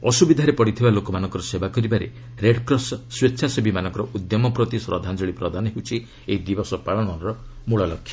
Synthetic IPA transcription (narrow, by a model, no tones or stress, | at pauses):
ɔsubid̪ʱaɾepɔɽit̪ʰibalokɔmanɔŋkɔɾɔsebakɔɾibaɾḛ | ɾeɖkɾɔsːwetːt͡ʃʰasebimanɔ̃ŋkɔɾɔʔud̪jɔmɔpɾɔt̪isɾɔ̰d̪ʱand͡ʒɔɭipɾɔd̪ʱanɔɦewt͡ʃʰi | eid̪ibɔsɔpaɭɔɽ̃ɔnɾɔmuɭɔlɔkʰːjɔ